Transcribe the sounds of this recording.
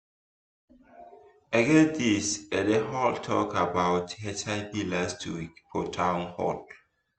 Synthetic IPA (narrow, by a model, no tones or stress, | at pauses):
aɡɛ̃disɛdeɦɔltʰɔ̰kabaʊthɛtaɪbilastwḭkfʰotʰãʊ̃nhɔ̰l